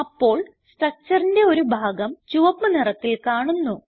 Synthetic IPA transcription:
ɐpːo̞ːɭ | sʈrɐk̚t͡ɕɐrinde̞o̞ɾubʱaːɡɐmt͡ɕuʋɐpmːɨnirɐt̪ːilkaːɳunːu

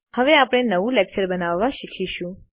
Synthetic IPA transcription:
həʋeapəɽ̃enəʋũlek̚t͡ʃəɾbənaʋːaʃikʰiʃũ

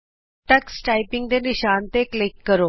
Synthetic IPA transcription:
ʈəksʈaːipɪŋɡd̪eːnɪʃaːnt̪eklɪkːəɾoː

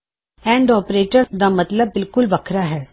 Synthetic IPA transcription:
ɛ̃ːɳɖɔːpɾeːʈəɾd̪aːmɐt̪ləbːɪlkʊlʋɐkʰɾaɦɛː

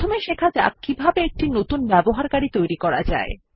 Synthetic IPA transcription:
omeʃekʰad͡ʑa̰k̚kːibʱabeek̚ʈinot̪unbɛboɦaɾkaɽit̪ojɾikɔɾad͡ʑa̰e

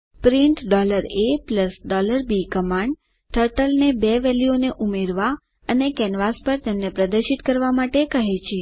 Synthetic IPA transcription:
pɾiɳʈɖɔləɾepləsɖɔləɾbikəmaɳɖ | ʈʰəɾʈəlnebeʋɛlioneʔumeɾʋa | ənekɛnʋaspəɾt̪emnepɾəd̪əɾʃit̪kəɾʋamaʈekəɦet͡ʃʰe

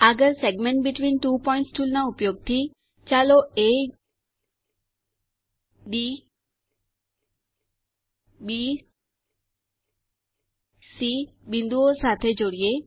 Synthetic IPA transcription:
aɡəɾsɛɡmɛ̃ɳʈ̚biʈʋĩːnʈuːpɔɪ̃ɳʈsʈʰulnaupjoːɡ̚t̪ʰi | t͡ʃaloe | ɖi | bi | sibĩnd̪uosat̪ʰed͡ʒoɽie

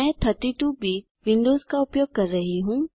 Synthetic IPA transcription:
ɛ̃ːt̪ʰɐt̪iʈubʱiː | ʋɪ̃nd̪oːzkaʊpjoːɡ̚kɐɾːɐɦiɦũː

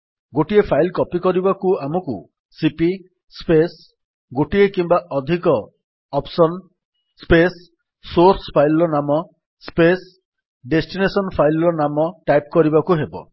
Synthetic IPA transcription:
ɡoʈiepʰajlkɔpikɔɾibakuamɔkṵ | sipi | spes | ɡoʈiekimbaʔɔd̪ʱikɔː | psɔn | spesː | oɾspʰajlɔɾɔnamɔ | spes | ɖesʈinesɔnpʰajlɔɾɔnamɔʈajp̚kɔɾibakuɦebɔ̰

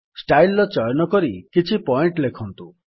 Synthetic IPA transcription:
sʈajlːɔt͡ʃɔjɔnɔkɔɾikit͡ʃʰipɔiɳʈlekʰɔnt̪u

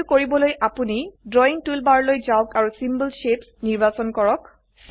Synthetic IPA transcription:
koɹibɔlojʔapunidɹɔiŋtulbaɹlojzaʊkaɹusimbəlʃepsniɹbasɔnkɔɹɔk | s

